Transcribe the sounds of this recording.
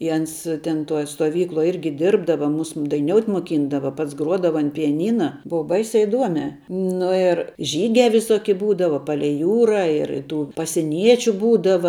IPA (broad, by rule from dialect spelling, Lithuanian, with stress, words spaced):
ɪ ˈɐns tʲɛn ˈtuɔj stuɔˈʋʲiːklˠuɔj ˈɪrʲɡʲɪ ˈdʲɪrbdɐʋɐ ˈmʊs dɐɪˈnʲoːʊtʲ moːˈkʲiːndɐʋɐ ˈpɐts ˈɡruɔdɐʋɐ ɐn pʲɪjɛˈnʲiːnɐ ˈbuːʋɐ ˈbɐɪsʲæː ɪˈduɔmʲɛː nʊ ɪr ˈʒʲiːɡʲæː ʋʲɪˈsoːkʲɪ ˈbuːdɐʋɐ ˈpɑːlʲɛɪ ˈjuːrɐ ɪr ˈtuː pɐsʲɪˈnʲiɛt͡ʃʲʊ ˈbuːdɐʋɐ